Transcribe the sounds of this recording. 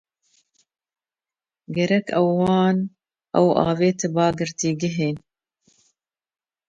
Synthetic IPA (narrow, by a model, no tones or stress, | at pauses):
ɡɛɾɛkʰɛwːɑːn | ʔɛ̰wʔɑ̰ːveːt̪ʰɨbɑːɡɨɾt̪iːɡɪɦeːn